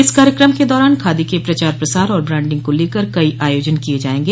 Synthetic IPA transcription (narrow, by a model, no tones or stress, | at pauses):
ɪskaːɾjəkɾəmked̪ɔːɾaːnkʰaːd̪ikepɾɐt͡ʃaːɾpɾɐsaːɾɔːɾbɾɛ̃ːɳɖɪ̃ŋɡ̚koleːkəɾkɐiʔaːjoːd͡ʒənkied͡ʒaːẽːŋɡeː